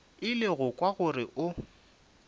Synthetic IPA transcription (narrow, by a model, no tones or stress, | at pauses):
ɪlɪɣʊkʼwaɣʊrɪʔʊ